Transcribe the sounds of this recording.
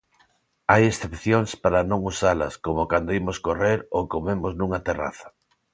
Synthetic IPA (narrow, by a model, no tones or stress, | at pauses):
ajesθepθjoŋspaɾanõŋusalɐ̰skomokand̪oimoskoreɾokomemoznuŋɐt̪era̰θḁ